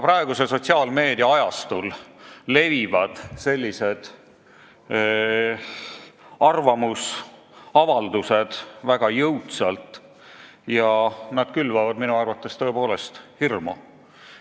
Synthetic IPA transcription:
pɾɑe̞ɡ̥use̞so̞tʲsiɑːlme̞ːd̪iɑɑjɑst̪ulːe̞vivɑd̪̥se̞lʲːise̞d̪̥ | ɑrvɑmus | ɑvɑld̪use̞d̪̥væɡ̥ɑjɤwt̪sɑlt̪ˑ | jɑnɑd̪̥̚kylvɑvɑd̪minuɑrvɑt̪ːˑe̞st̪ø̞epo̞ːle̞st̪hirmo

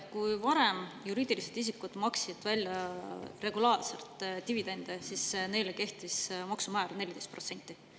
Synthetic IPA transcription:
kujvɑɾe̞mjuɾiːd̪̥iliset̪is̬ikːud̪̥mɑksid̪̥vælʲjɑre̞ɡ̥ulɑːrse̞̰lt̪ˑt̪ivid̪̥e̞nd̪̥esisne̞jleke̞ht̪ismɑksumæːɾne̞lʲːid̪e̞jst̪prot̪se̞nʲt̪ːˑi

